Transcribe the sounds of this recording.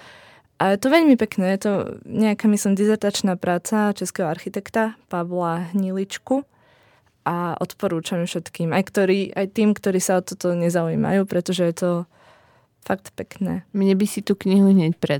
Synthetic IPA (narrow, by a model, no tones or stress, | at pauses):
ʔajɛt̪ɔʋɛʎmipɛknɛːjɛt̪ɔɲɛakaːmislimd̪izɛɾt̪at͡ʃnaːpɾaːt͡sat͡ʃɛskɛɦɔaɾxit̪ɛkt̪apaʋlaɦɲilit͡ʃku | ʔaʔɔ̰t̪pɔɾuːt͡ʃamfʃɛt̪kiːmajkt̪ɔɾiːʔa̰jt̪iːmkt̪ɔɾiːsaɔt̪ɔt̪ɔɲɛzauḭːma̰juːpɾɛt̪ɔʒɛjɛt̪ɔ | fak̚t̪pɛknɛ̰ːmɲɛbisit̪uːkɲiɦuɦɲɪɛcpɾɛ